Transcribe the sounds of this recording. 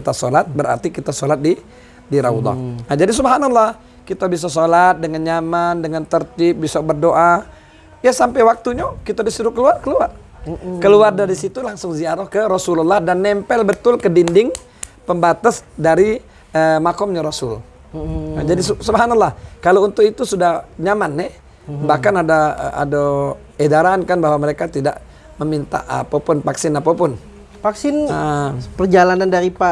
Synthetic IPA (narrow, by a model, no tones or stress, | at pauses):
kit̪asolat̪̚bəɾa̰rt̪ikit̪asolat̪̚di | diɾa̰ud̪ɔ̰nad͡ʒadis̬ubɦanalːɑh | kit̪abis̬as̬olat̪̚dəŋanɲamandəŋant̪ərt̪ɪp̚bisabərdoʔa | jasampɛjwak̚t̪uɲakit̪adisuɾʊkəluarkəluar | kəluardaɾisit̪ulaŋsʊŋziaɾahkəɾɔsululːɑhdanːɛmpɛlbət̪ʊlkədindɪŋ | pəmbat̪asdaɾi | əmakɔmɲaɾɔsʊ̰l | d͡ʒadisusubɦanalːahkalount̪ʊkit̪usudahɲamanːɛ | bahkanadaa̰do | edaɾaankanbaɦwaməɾekat̪ida̰ʔ | məmint̪a̰ʔa̰papʊnpaksɪnapapʊn | faksɪnapərd͡ʒalanandaɾipa